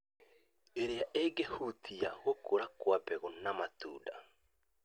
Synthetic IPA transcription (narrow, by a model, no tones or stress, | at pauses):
eɾeaʔeɡehutʰia̰ɣokoɾakwapɛɣonamatṵːda